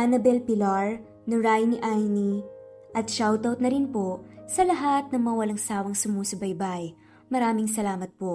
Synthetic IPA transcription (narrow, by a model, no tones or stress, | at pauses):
ʔanɐbɛlpɪlaɹ | nɪɹajnɪʔajni | ʔɐt̪̚ʃawt̪awt̪̚nɐɾɪnposɐlɐɦat̪̚nɐŋmɐwɐlɐŋsaːwɐŋsʊmoːsɐbɐjbaj | mɐɾaːmɪŋsɐlaːmɐt̪̚poʔ